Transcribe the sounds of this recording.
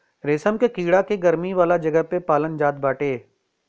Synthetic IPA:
ɾeːsəmkekiːɽakeɡɐɾmiʋaːlad͡ʒɐɡəɦpepaːlənd͡ʒaːt̪̚baːʈeː

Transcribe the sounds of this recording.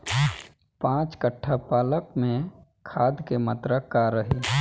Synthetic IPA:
pãːt͡ʃkəʈʰːapaːləkmẽ | kʰaːd̪kemət̪ɾəkːaɾəɦi

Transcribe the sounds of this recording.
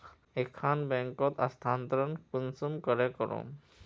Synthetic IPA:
ekʰːanbɛŋkɔt̪ast̪ʰant̪ɾɔnkunsumkɔɾekɔɾõ̰

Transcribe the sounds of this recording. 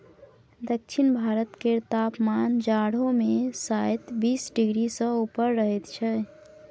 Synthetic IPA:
d̪ək̚t͡ʃʰinbʱaɾət̪ket̪apmand͡ʒaɽomesajt̪bisɖiɡɾisə̃upəɾːəɦɛt̪t͡ʃʰɛ

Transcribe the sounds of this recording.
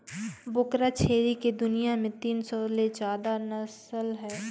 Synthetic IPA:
bʊkɾat͡ʃʰeːɾiked̪ʊnijamẽt̪iːnsɔled͡ʒaːd̪anɐsəlɦɛː

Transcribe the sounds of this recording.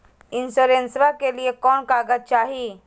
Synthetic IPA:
ɪnsoːɾẽnsʋakeliekɔːnkaːɡəd̪̚t͡ʃaːɦiː

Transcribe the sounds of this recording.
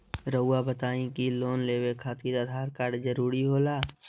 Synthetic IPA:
ɾəʊːabət̪aːĩkiloːnleːwekʰaːt̪iːɾəd̪ʱaːɾkaːɾɖzəɾuːɾiɦoːlaː

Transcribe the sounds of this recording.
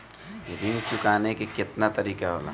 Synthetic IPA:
jed̪ɪnt͡ʃʊkaːnekekɪt̪nat̪ɐɾiːkaɦo̰ːla

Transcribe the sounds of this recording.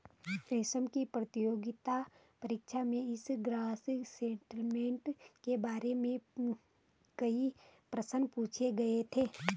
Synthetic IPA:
pɾeːʃəmkipɾət̪ijoːɡɪt̪a | pɐɾɪkʃamẽɪsɡɾaːsɪksẽːɳʈəlmẽːɳʈkebaːɾemẽ | kɐipɾɐsənpuːt͡ʃʰeɡɐet̪ʰeː

